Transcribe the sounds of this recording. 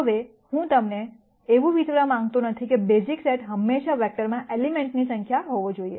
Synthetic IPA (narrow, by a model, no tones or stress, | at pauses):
ɦəʋe | hũt̪əmneː | ʋũʋit̪ʋɾamãŋɡ̚t̪unət̪ʰikebezikseʈɦəmːeʃaʋɛk̚ʈəɾmãʔelimeɳʈnisəŋkʰjaɦoʋod͡ʒoiḛ